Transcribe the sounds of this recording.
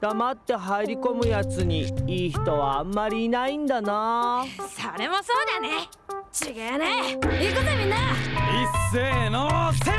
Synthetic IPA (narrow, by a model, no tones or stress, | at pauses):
d̪̥amat̪ːe̞ɦaiɾʲiko̞mɯ̟jat͡sɨɲ̟iiːçi̥t̪o̞βaːmːaɾʲiːnaĩnd̪anaːsoɾe̞moso̞ːd̪ane | t͡ɕiɡaneiːkot̪oamʲĩnːaisːeːnose